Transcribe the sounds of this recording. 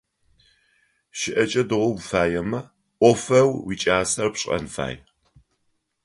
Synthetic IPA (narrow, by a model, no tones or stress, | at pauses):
ʃɪʔɐt͡ʃʼɐdɨʁʷʊwfaːjɛmɐ | ʔʷɔfɐwwit͡ʃʼaːsɐrpɕʼɐ̰nfa̰ːj